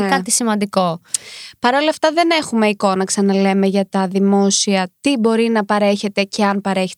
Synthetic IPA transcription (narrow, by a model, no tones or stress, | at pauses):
kɐt̪isimɐnd̪iko̞pɐɾo̞lɐːft̪ɐðe̞ne̞xume̞iko̞nɐksɐnɐle̞me̞ʝɐt̪ɐðimo̞siɐt̪ibo̞ɾinɐpɐɾe̞çe̞t̪e̞ce̞ɐnpɐɾe̞çe̥t